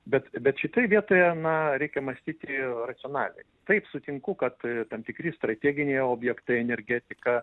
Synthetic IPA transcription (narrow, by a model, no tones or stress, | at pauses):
bʲɛt̪bʲɛt̪ʃʲɪt̪oːjɛʋʲiɛt̪oːjɛnɐɾʲɛɪkʲɛmɐsʲt̪ʲiːt̪ʲɪrɐt̪sʲɪoːnɑːlʲɛ̰ɪt̪ɐɪpsʊt̪ʲɪŋkʊkɐt̪t̪ɐmt̪ʲɪkɾʲɪst̪ɾɐt̪ʲeːɡʲɪnʲeːjoːbʲjɛkt̪ɐɪɛnʲɛɾʲɡʲæːt̪ʲɪkɐ